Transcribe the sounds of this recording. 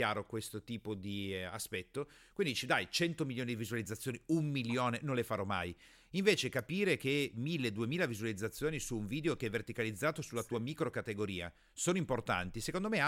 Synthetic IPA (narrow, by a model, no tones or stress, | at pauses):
aːɾokwest̪ot̪iːpod̪ia̰spɛt̪ːo | kwind̪it͡ʃid̪ajt͡ʃɛnt̪omiljoːnid̪ivizualid̪zːat̪sjoːniumːiljoːnenõnlefaɾɔma̰j | iɱveːt͡ʃekapiːɾekemilːeːd̪uemiːlavizualid̪zːat̪sːjoːnisuːɱviːd̪eokeɛvːert̪ikalid̪zːaːt̪osulat̪uːamiːkɾokat̪eɡoɾiːa̰ | soːnoimport̪a̰nt̪isekond̪omea